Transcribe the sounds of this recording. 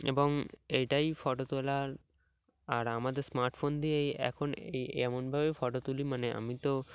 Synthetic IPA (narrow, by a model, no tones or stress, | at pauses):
eboŋejʈajfɔʈot̪olaɾ | aɾamad̪eɾsmaɾʈfond̪iejɛ̰kʰonḛjɛmonbʱabefɔʈot̪ulimaneʔa̰mit̪o